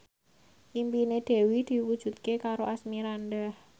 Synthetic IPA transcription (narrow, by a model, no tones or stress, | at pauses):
ʔimpined̪̥ɛ̤wid̪̥i̤wud̥ʒ̥ṳt̪̚kekaɾoʔasmiɾand̪əh